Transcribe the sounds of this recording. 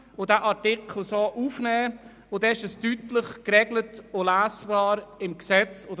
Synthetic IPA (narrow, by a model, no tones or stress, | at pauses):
ʊdæːʔɑɾtɪkχl̩soʔufnɛː | ʊdɛɪʃəstytləχkɾɛɡlətolæːsb̥ɑːɾɪmksɛt͡so